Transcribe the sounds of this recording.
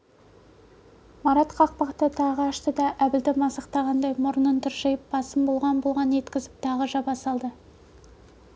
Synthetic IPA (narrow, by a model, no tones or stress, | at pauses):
mɑɾɑt̪qʰɑq̚pɑqt̪ət̪ʰɑʁəɑʃt̪əd̪ɑʔæbɪld̪ɪmɑsɑqt̪ɑʁɑnd̪ɑjmʊɾənənt̪ʰʏɾʒejɪp̚bɑsəmbolˠʁɑnbolˠʁɑnje̞t̪kʲɪzɪp̚t̪ʰɑʁəʒɑbɑsɑlˠd̪ə